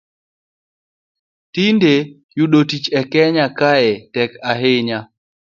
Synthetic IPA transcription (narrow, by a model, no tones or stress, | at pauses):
tinde | juɗotit͡ʃɛkɛɲakajɛtɛkaɦɪɲa